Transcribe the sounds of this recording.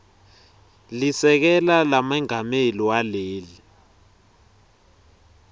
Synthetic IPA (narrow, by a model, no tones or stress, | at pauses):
lisɛk̬ɛlalamaŋameliwaleːli